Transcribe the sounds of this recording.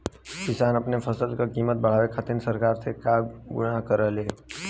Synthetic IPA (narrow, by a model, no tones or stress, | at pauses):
kɪsanəpnepʰəsəlkakimət̪̚bəɭ̤aʋekʰat̪insəɾkaɾsekaɡʊ̰ɽakəɾəle